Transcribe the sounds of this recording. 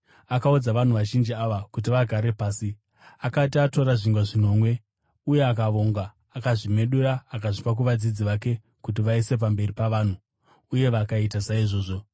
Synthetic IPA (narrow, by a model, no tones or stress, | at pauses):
akaud͡zaʋan̤uʋaʒind͡ʒiaʋakut̬iʋaɡʱaɾe̞paːsi | akatiato̞ɾaʐiŋɡaʐino̞ːmwe̞ | uje̞akaʋo̞ŋɡaː | kaʐime̞ɗuɾaːkaʐipak̬uʋad͡zid͡ziʋake̞ | kutiʋaise̞p̬ambe̞ripaʋaːn̤uː | je̞ʋakaitasaiʐo̞ːʐo̞